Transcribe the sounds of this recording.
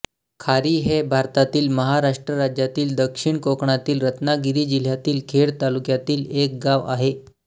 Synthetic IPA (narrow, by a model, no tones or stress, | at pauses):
kʰaɾiːɦebʱaɾt̪at̪iːlməɦaɾaʂʈɾəɾad͡ʑjat̪iːld̪əkʂiɳkokɳat̪iːlɾət̪naɡiɾiːd͡ʑil̤jat̪iːlkʰeɽt̪alukjat̪iːlek̚ɡaʋa̰ɦe